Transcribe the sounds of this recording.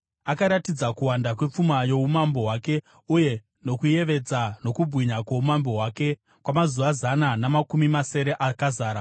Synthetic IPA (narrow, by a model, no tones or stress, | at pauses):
akaɾatid͡zakuwandakwe̞p͡fumajo̞umambo̞ɦwaːke̞ | uje̞ | no̞kuje̞ʋe̞d͡zano̞kubʱwiɲakwoumambo̞ɦwaːke̞ | kwamazuʋazananamakumimase̞ɾe̞ʔakazaːɾa